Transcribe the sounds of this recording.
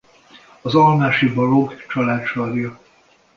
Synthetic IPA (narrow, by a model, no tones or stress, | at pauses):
ɒzɒlmaːʃibɒloɡt͡ʃɒlaːt̪ʃɒːd̪jɒ